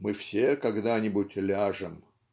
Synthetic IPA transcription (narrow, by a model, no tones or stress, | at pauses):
mɨfsʲekɐɡd̪anʲɪbʊtʲlʲaʐɨm